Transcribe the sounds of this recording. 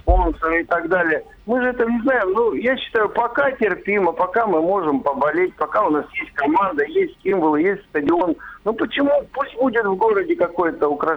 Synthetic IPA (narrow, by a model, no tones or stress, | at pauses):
spo̞nsəɾɨɪt̪ɐɡd̪alʲɪjə | mɨʐɨɛt̪ənʲɪznajɪmnujaɕːɪ̥t̪ajʊpɐkatʲɪrpʲiməpɐkamɨmo̞ʐɨmpəbɐlʲet̚ʲpɐkaʊnasjesʲtʲkɐmand̪əjesʲtʲsʲimvəlˠɨjesʲtʲst̪ədʲɪonnupət͡ɕɪmupusʲt̚ʲbudʲɪt̪vɡo̞ɾədʲɪkɐko̞jt̪əʊkɾɐ